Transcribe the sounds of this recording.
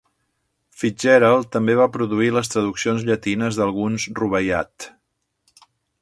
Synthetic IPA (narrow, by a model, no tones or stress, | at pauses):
fid͡ʒɛɾəlˠt̪əmbeβ̞apɾuðuiləs̬t̪ɾəðuksionzʎət̪inəzðəlˠɣunsruβəja̰t̪